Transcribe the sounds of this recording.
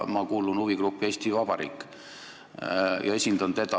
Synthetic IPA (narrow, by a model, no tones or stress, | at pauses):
mɑkuːlunuvikɾupːˑe̞ːsʲt̪ivɑb̥ɑɾḭːkːˑ | jɑ̰e̞sʲind̪ɑnt̪e̞d̪ɑ